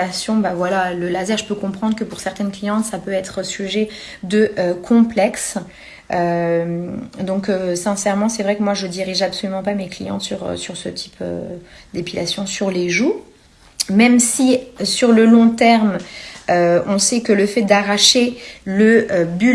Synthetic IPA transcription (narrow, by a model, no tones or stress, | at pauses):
asjɔ̃bavwalaləlazɛʁʒəpøkɔ̃pχɑ̃d̪ʁkəpuʁsɛʁt̪ɛnklijɑ̃t̪sapøɛt̪χsyʒɛ | d̪əʔøkʰɔ̃plɛks | ømd̪ɔ̃køsɛ̃sɛʁmɑ̃sɛvʁɛkəmwaʒəd̪iʁiʒabsɔlymɑ̃pameklḭjɑ̰̃t̪syʁø̰syʁsə̰t̪ʰi̥pø̰ | d̪epilasjɔ̃syʁleʒu | mɛmsisyʁləlɔ̃t̪ɛʁmøɔ̃sɛkələfɛt̪̚d̪aʁaʃeləøby